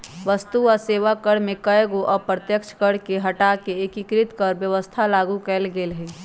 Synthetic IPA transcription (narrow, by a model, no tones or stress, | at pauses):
ʋəst̪uɔːɾseːʋakəɽ̤mẽkəeɡoʔɔːpɾət̪jəkt͡ʃʰkəɽ̤keɦəʈakeːkikɾɪt̪kəɾbjəʋəst̪ʰalaːɡukɛlɡeːlɦɛ̃